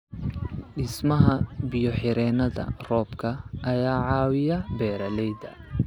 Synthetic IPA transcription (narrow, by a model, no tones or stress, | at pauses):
ɗɪsmɐɦɐbɪjɔħɪɾɛːnɐðɐ̰rɔːbkʰɐʔɐjaːʕɑːwɪjɐbɛːɾɐlɛjd̪ɐ̰